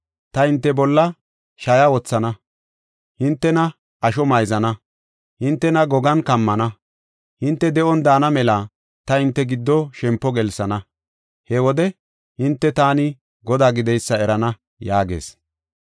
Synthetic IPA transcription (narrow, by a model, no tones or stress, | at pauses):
t̪ɐhɪnt̪ːɛbɔlːɐ | ʃɐjɐwɔt͡sːɐnɐ | hɪnt̪ːɛnɐ | ɐʃɔmɐjzɐnɐ | hɪnt̪ːɛnɐɡɔɡɐnkɐmːɐnɐ | hɪnt̪ːɛd̪ɛʔɔnd̪aːnɐmɛlɐ | t̪ɐhɪnt̪ːɛɡɪd̪ːɔʃɛmpːɔɡɛlsɐnɐ | hɛwɔd̪ɛ | hɪnt̪ːɛt̪aːnɪ | ɡɔd̪aːɡɪd̪ɛjsːɐɛɾɐnɐ | jaːɡḛːs